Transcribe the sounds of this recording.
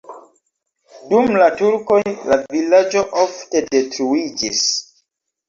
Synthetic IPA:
dumlatuɾko̞jlavilad͡ʒo̞ʔofte̞de̞tɾuid͡ʒis

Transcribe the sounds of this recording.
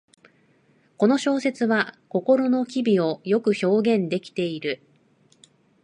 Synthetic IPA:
ko̞no̞ɕo̞ːse̞t͡sɨβako̞ko̞ɾo̞no̞kʲibʲio̞jo̞kɯ̟ço̞ːɡẽ̞nd̪e̞kʲi̥t̪e̞iɾɯ̟

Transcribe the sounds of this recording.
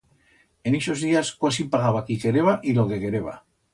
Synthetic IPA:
eneso̞zðiaskoasipaɣaβakike̞ɾeβaʔilo̞ke̞ke̞ɾeβa̰

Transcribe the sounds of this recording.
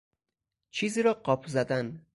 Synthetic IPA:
t͡ʃʰiːziːɾɒːɢɒpʰzæd̪æn

